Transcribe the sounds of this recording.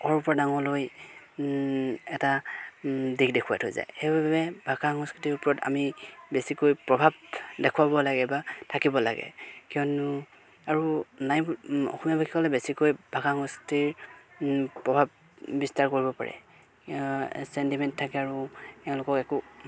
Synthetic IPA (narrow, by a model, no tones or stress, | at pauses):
ɔɹupɔɹadaŋɔloj | ɛta | dikdɛkʰuwatʰɔjza̰jxejbababɛbʱakaŋɔskitiɹʊpɔɹɔta̰mibesikojpɹɔbʱab̚dɛkʰuwabɔlaɡɛbatʰakibɔla̰ɡɛ̰kijɔnu | aɹunajbɔ̰xʰumabakʰikɔlɛbesikojbʱakaŋɔstiɹ | pɹɔbʱab̚ | bistaɹkoɹibɔpa̰ɹɛ̰ | sɛntimɛntʰːakɛaɹutɛʊ̃lʊkɔkɛku